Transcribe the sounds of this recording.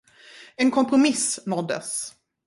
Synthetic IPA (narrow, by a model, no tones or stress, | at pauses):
ɛnkʰɔmpɾʊmɪsnɔd̪ːə̰s